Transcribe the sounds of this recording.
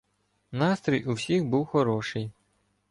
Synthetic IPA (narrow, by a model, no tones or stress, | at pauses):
nɑst̪ɾɔjʊwsʲixbuwxɔɾɔʃɪj